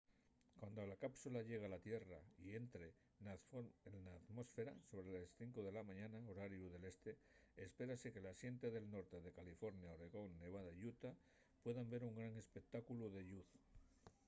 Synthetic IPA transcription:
kwand̪o̞lakapsulaʎe̞ɣ̞alat̪je̞raie̞nt̪ɾe̞ | ennaːt̪mo̞sfe̞ɾa̰so̞βɾe̞lasθiŋkoðe̞lamãɲãnaoɾaɾjuðe̞le̞st̪e̞ | espe̞ɾase̞ke̞lasje̞nt̪eðe̞lno̞ɾt̪e̞ðe̞kalifo̞ɾnjaoɾe̞ɣ̞o̞nːe̞β̞aðaʎut̪a | pwe̞ðambe̞ɾuŋɡɾaŋe̞spe̞k̚t̪akuluðe̞ʎuθ

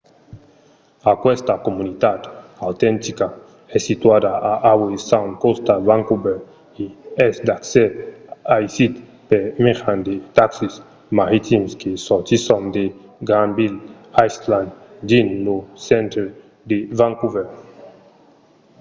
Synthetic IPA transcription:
akwɛst̪akomunit̪at̪awt̪ɛnt̪ika | ɛsit̪wad̪aaʔawesawnkost̪avaŋkubɛɾ | iɛsd̪akseajsit̪ | peɾmeʁand̪et̪aksis | maɾit̪imskesɔɾt̪isond̪e | ɡɾanbil | ajsland̪d̪inːosɛ̃nt̪ɾe | d̪evaŋkuveɾ

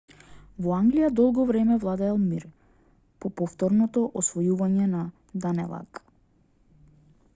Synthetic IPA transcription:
vɔaŋɡlijad̪ɔlˠɡɔvɾɛmɛvlˠad̪ɛːlˠmiɾ | pɔpɔft̪ɔɾnɔt̪ɔʔɔsvɔjuvaɲɛna | d̪anɛ̰lˠa̰k

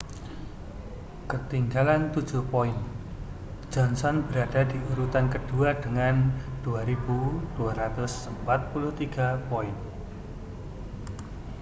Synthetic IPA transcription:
kət̪iŋɡalant̪ud̥d͡ʒ̥ṳhpɔɪn̥ | d͡ʒ̥ɔnsɔnb̥əɾad̥adiuɾut̪ankəd̥uad̥əŋand̥uaɾibud̥uaɾat̪ʊsəmpat̪̚pulʊht̪iɡ̥a̤pɔɪn

